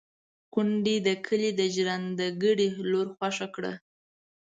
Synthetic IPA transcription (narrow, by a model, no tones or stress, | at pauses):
kʊɳɖid̪əkʰəlid̪əʒɾand̪əɡəɽiloɾxwaʃakɽə̰